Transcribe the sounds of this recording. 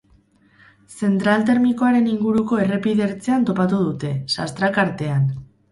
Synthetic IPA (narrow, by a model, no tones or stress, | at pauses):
se̞nt̪ɾalt̪e̞ɾmiko̞aɾe̞niŋɡuɾuko̞e̞re̞piðe̞ɾt͡seant̪o̞pat̪uð̞ut̪e̞sa̰st̪ɾakaɾt̪e̞an